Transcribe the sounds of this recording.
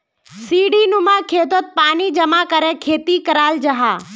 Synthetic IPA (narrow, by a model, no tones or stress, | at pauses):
siːɖiːnʊmãːkʰeːt̪ət̪̚paːnid͡ʒɐmaːkɐɾẽkʰeːt̪ikɐɾaːld͡ʒɐɦaː